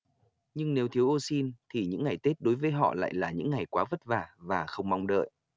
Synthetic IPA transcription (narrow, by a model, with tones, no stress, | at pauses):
ɲɨ˧ŋne˨˦wt̪ʰi˨˦əwʔo˧si˧nt̪ʰi˨˩ɲɨ̰˧˥ŋːa˨˩jt̪e˦˥t̚ɗo˨˦jvəː˨˦jɦɔ̰˧˨la̰ː˧˨jlaː˨˩ɲɨ̰˧˥ŋːa˨˩jkwaː˨˦və˦˥t̚vaː˨˩vaː˨˩xə˧wŋ͡mma˧wŋ͡mɗə̰ː˧˨j